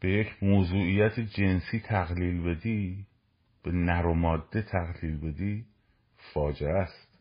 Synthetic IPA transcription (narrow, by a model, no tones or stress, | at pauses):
b̥e̞jecʰmoːzuːijæt̪ʰed͡ʒe̞nsiːt̪ʰæɣliːlbe̞d̪iː | b̥enæɾomɒːd̪ːe̞t̪ʰæɣliːlbe̞d̪iː | fɒːd͡ʒeæst̪